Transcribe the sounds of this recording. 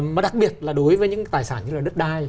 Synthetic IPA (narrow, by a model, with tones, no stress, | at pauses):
mː˨˩ɗa˨˩k̚ɓi˨˩ət̚laː˨˩ɗo˨˦jvəː˨˦ɲɨ̰˧˥ŋt̪aː˨˩jsaː˧˩nɲɨ˧laː˨˩ɗɨ˦˥k̚ɗaː˧j